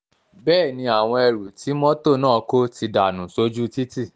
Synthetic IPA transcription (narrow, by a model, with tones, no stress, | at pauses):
bɛː˦˨nĩ˧a˨w̃ɔ̃˧ɛ˧ɾu˨ti˨˦mɔ̃˦to˦˨nãː˦˨˧ko˦ti˧da˨nũ˨so˦d͡ʒu˦ti˦ti˦˨